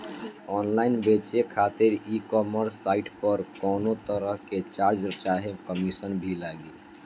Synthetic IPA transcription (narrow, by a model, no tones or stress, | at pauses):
ɔːnlaːɪnbet͡ʃekʰat̪ɪɾikɔːməɾsːaːɪʈpəɾkɔːnot̪əɾəɦket͡ʃaɾd͡ʒɾt͡ʃaɦekəmisənbʱilaɡe